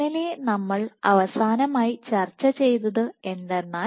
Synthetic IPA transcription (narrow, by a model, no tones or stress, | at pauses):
ilenɐmːɐɭɐ̰ʋɐsaːnɐmaːjit͡ɕɐrt͡ɕːɐt͡ɕe̞jt̪̬ɐðɨe̞nd̪enːaː